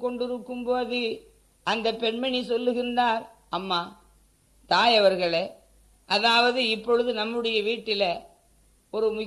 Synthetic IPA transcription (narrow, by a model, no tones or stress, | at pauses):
kːɔɳɖɪɾɯkːɯmpoːðɯ | ʔɐnd̪ɐpɛɳmɐnisɔlːɯɣɪndaːɾ | ɐmːaː | t̪aːjɐʋɐɾɣɐɭe | ʔɐðaːʋɐðɯɪpːɔɻɯðɯnɐmːɯɽɐjɐʋiːʈːɪlɐ | ɔɾɯmʊ